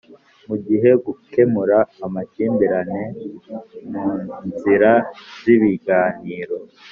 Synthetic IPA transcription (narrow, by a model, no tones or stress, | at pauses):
muɟiɦe̞ɡuke̞muɾaːmaciːmbiɾane̞ | muːnnziɾaziβiɡaːniːɾo̞